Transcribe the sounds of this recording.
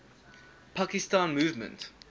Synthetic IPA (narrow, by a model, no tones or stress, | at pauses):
pʰakɪstãːnmuːvmə̰̃nt